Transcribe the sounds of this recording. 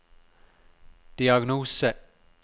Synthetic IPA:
d̪̥iɑɡnuːsə

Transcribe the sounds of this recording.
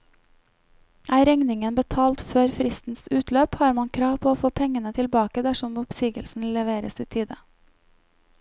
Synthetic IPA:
ʔæːɾɛŋnɪŋənbət̪ʰɑːlt̪føːɾfɾɪst̪n̩sʉːt̪løːphɑːɾmɑŋkʰɾɑːʋpʰoːoːfoːpʰɛŋənət̪ʰɪlbɑːkəd̪æʃɔmʊpsiːɡə̰lsn̩lɛʋeːɾə̰siːt̪ʰiːd̪ə

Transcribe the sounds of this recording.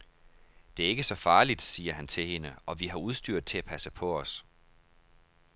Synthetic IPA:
d̥e̝æɐe̝ɡ̥əsɒ̽fɑ̈ːlid̥siːɐɦænt͡sʰe̝lhe̝nəɒ̽ʋiɦɑ̈uð̞ˠsd̥yɐ̰d̥̚t͡sʰe̝læpʰæsəpʰɒ̽ɒs

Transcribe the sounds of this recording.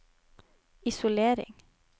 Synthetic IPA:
ɪsʊleːɾɪ̰ŋ

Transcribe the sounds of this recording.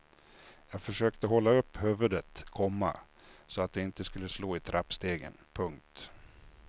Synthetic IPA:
jɑːɡfœʂøːk̚t̪əɦɔlːaɵpːhʉvɵd̪ət̪kʰɔmːa̰ | sɔat̪̚d̪ɛɪnt̪əskɵlːəsloːɪt̪ʰɾʔapst̪eːɡə̰npʰɵŋk̚t̪

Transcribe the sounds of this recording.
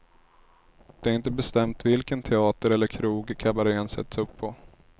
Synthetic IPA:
d̪̥ɛaɾɪnt̪əbɛst̪ɛmt̪vɪlkənt̪ʰɛɑːt̪əɾɛlːəɾkʰɾuːɡkʰabaɾeːnsɛ̰t̪ːasɵpʰːɔ

